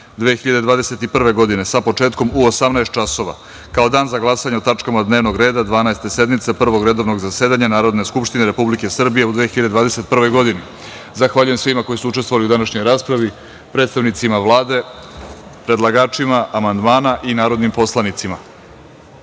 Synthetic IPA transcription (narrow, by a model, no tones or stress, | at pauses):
d̪ʋeːxiʎad̪e̞d̪ʋaːd̪ese̞t̪ipr̩ʋe̞ɡo̞d̪ine̞sapo̞t͡ʂe̞ːt̪ko̞muosamnaest̪̚t͡ʃaso̞ʋa̰ | kao̞d̪aːnzaɡlˠasaɲeot̪at͡ʂkamad̪ne̞ːʋno̞ɡɾe̞ːd̪ad̪ʋaːnaest̪e̞se̞d̪mit̪sepr̩ʋo̞ɡɾe̞d̪o̞ʋno̞ɡzase̞ːd̪aɲanaːɾo̞d̪ne̞skupʃt̪ineɾe̞publike̞sr̩bije̞ud̪ʋexiʎad̪ed̪vaːd̪e̞se̞t̪̚pr̩ʋo̞jɡo̞d̪ini | zaxʋaʎuje̞msʋimako̞jisuut͡ʃet̪vo̞ʋaliud̪anaʃɲo̞jɾaːspɾaʋi | pɾed̪st̪aʋnit̪simaʋlˠaːd̪e̞ | pɾe̞d̪laɡaːt͡ʃimaʔamand̪maːnaʔinaːɾo̞d̪nimpo̞slˠanit̪sima